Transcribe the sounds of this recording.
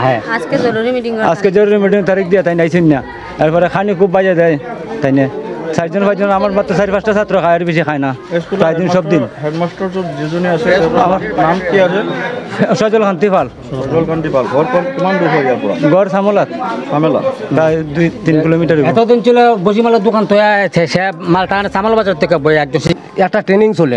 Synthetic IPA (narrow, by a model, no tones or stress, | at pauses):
ɦɛaskezɔɾuɾimiʈiŋa̰skezɔɾuɾimiʈ̬iŋt̪aɾik̚d̪ijat̪ajnajsunja | ɛɾpɔɾɛkʰanikʰubːazad̪ɛjt̪ajnɛsaɾd͡ʒɔnfajd͡ʒɔnamaɾmat̪ːɾɔsaɾipʰasʈasat̪ɾɔkʰajɛɾbes̬ikʰajnaeskulpɾajd̪inʃɔb̚d̪inɦeʈmasʈɔɾsɔd͡ʒed͡ʒoniasɛtɛamaɾmank̪iase | ʃɔd͡ʒɔlkʰant̪ipʰal | ɔd͡ʒɔlkʰanʈipʰalɡɔɾkɔkumand̪upaɾiaɾpɔɽa̰ɡɔɾsamolat̪samela̰t̪ajd̪ujt̪inkilomiʈaɾeɛt̪ɔd̪int͡ɕilɔbos̬imalɔd̪ukʰant̪ɔjat͡ʃʰɛsɛmalt̪aansamalbad͡ʑaɾɔt̪ʰːekːabɔɛk̚ɔsi | ɛk̚ʈaʈɾeniŋsolḛ